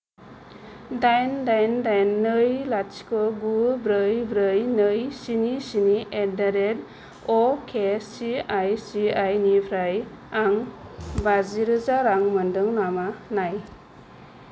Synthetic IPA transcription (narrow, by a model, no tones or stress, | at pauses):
dajndajndajnːɯjlat͡ʃkɔɡubɾɯjbɾɯjnɯjsinisiniʔedaɾed | ɔkʰesiajsiajnibʰɾaj | aŋbaziɾɯzaɾaŋmɯndɯŋnamanaj